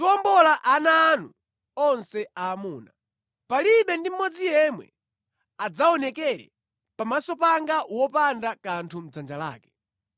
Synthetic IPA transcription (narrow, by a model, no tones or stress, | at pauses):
tuɔmbɔlaʔanaːnṵ | ɔnsɛaːmuːna | paliɓɛndim̩mɔd͡zijɛmwɛ̰ | ad͡zaɔnɛkɛɾɛ̰ | pamasɔpaŋɡawɔpandakantʰum̩d͡zand͡ʒala̰ːkɛ̥